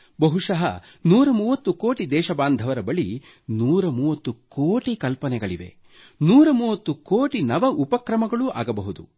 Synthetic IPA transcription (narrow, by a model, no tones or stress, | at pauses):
bɐɦuʂɐɦɐ̰ | nuːɾɐmuːʋɐt̪ːukoːʈid̪ɛːʃɐbaːnd̪ʱɐʋɐɾɐbɐɭi | nuːɾɐmuːʋɐt̪ːukoːʈikɐlpɐnɛɡɐɭiʋe̞̰ | nuːɾɐmuːʋɐt̪ːukoːʈinɐʋɐʔupɐkɾɐmɐɡɐɭua̰ːɡɐbɐɦud̪ṵ